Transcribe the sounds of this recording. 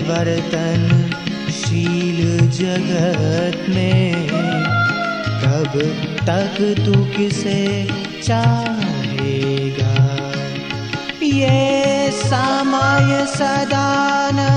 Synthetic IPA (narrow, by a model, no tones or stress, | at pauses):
ʋɐɾt̪ən | ʃiːld͡ʒɐɡət̪mẽ | k̪ɐbt̪ɐkt̪ukɪse | t͡ʃaɦeːɡaː | je | samaːjsɐd̪aːn